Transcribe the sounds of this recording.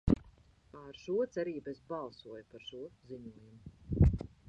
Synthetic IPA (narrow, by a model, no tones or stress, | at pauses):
aɾʃuɔt̪sɛɾiːbesbɑlˠsuɔjupaɾʃuɔziɲuɔjumu